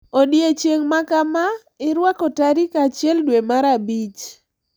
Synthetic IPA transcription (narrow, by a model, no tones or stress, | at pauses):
odjet͡ʃjeŋmakama | ɪɾwakɔtaɾikat͡ʃjɛldwemaɾabit͡ʃ